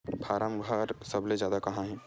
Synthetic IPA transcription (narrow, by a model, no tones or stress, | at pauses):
pʰaːɾamɡʱaːɾsɐbled͡ʒjaːd̪akɐɦãɦɛ̃ː